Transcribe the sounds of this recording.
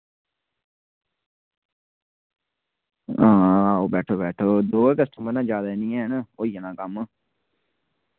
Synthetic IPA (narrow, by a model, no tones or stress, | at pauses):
ãːaːoːbɛːʈʰoːbɛːʈʰoːd̪oːkəsʈəmənãːd͡ʒjaːd̪aːenĩːɛ̃ːɦnoːiːənãːkəm